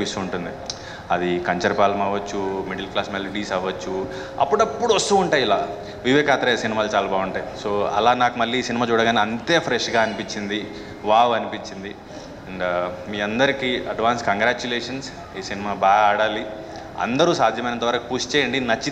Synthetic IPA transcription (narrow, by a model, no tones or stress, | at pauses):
isuuɳʈund̪i | ɐd̪ikɐɲt͡ʃɐɾpaːlɐmaːʋɐt͡ʃːumiɽilklaːsmelɐʈiːsaːʋɐt͡ʃːu | ɐ̰pːuɽɐpːuɽʋɐst̪uuɳʈaːjilaː | ʋiʋɛːkaːt̪ɾɐsinimaːlut͡ʃaːlaːbaːɡuɳʈaːjso̞ːɐ̰laːnaːkumɐlːiːsinimaːt͡ʃuːɽɐɡaːniɐnt̪eːpʰɾeʂɡaːɐnipiɲt͡ʃːind̪i | ʋaːʋɐnipiɲt͡ʃind̪i | ɐɳɖmiːɐnd̪ɐɾikiɐɖʋaːnskɐŋɡɾaːt͡ʃuleːʂɐns | iːsinimaːbaːɡaːɽaːli | ɐ̰nd̪ɐɾuːsaːd̪ʱjɐmɐjnɐnt̪ɐʋɐɾɐkipuːst͡ʃeːjɐɳɖinɐt͡ʃːi